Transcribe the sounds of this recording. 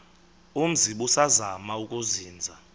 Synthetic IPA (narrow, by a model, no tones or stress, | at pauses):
um̩ziɓusazamaukʼuziːnd͡zʱa